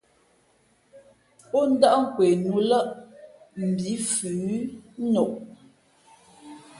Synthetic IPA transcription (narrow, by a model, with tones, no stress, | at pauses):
ɔ˦n̩˦da˦ʔŋ̩˨kwe˨nu˨˦lə˦ʔ | m̩˨bi˨˦fʉ˨˦nɔ˨ʔ